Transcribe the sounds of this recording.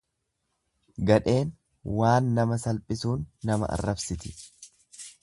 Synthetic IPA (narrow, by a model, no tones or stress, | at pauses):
ɡɐᶑe̞ːn | waːnːɐmɐsɐlpʼɪsuːnːɐmɐ̰ʔɐ̰rːɐbsɪt̪ɪ̥